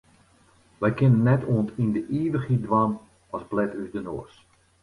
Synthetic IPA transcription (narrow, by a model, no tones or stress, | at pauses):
ʋɛjkɪnənːɛtuəntindəʔiːʋəxidʋan | ɔsblɛtyzdənoərs